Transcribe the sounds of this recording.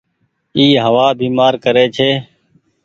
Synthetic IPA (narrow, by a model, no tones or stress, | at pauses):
iːɦəʋaːbʱiːmaːɾkəɾeːt͡ʃʰeː